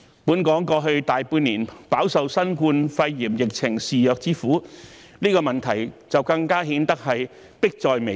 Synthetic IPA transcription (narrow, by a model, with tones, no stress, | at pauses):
puː˨˥nkɔː˨˥ŋkɔː˧ɦɵ˧ɥt̪aː˨jpuː˧niː˨˩npaː˨˥wsɐ˨wsɐ˥nkuː˧nfɐ˧jːiː˨˩mjɪ˨k̚t͡sʰɪ˨˩ŋsiː˨˧jœː˨k̚t͡siː˥fuː˨˥ | niː˥kɔː˧mɐ˨nt̪ʰɐ˨˩jt͡sɐ˨wkɐ˧ŋkaː˥ɦiː˨˥nt̪ɐ˥k̚hɐ˨j | pɪ˥k̚t͡sɔː˨jme˨˩